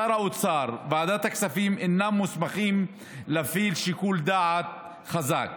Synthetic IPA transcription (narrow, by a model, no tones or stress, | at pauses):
aɾaʔut̪t͡sɑːɾˤvaad̪aːt̪aksafiːmʔɪnːamːusmaχiːm | lafiːlʃikuːld̪aːʕat̪̚ | xaza̰k